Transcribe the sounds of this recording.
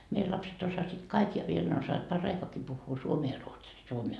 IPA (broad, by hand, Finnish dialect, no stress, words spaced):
meil lɑpset osɑsit kɑik jɑ ʋiel ne osːɑːʋɑt pɑrːɑikoɑki puhːuː suomeː jɑ ruotsiː suomeː